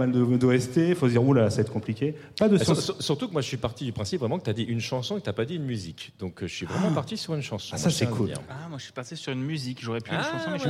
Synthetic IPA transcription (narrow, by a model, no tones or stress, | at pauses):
ald̪əd̪oɛst̪efosd̪iʁulalasaɛt̪kɔ̃plikʲe | pad̪əssyʁt̪ukəmwaʒəsɥipaʁt̪id̪ypχɛ̃sipvʁɛmɑ̃kət̪ad̪iʔynʃɑ̃sɔ̃ekt̪apad̪iynmyzikd̪ɔ̃kʒəsɥivʁɛmɑ̃paʁt̪isyʁynʃɑ̃sɔ̃asɛkʰujɛ̰̃amwaʒəsɥi̥pasesyʁynmyzikʒoʁɛpyʃɑ̃sɔ̃ɛ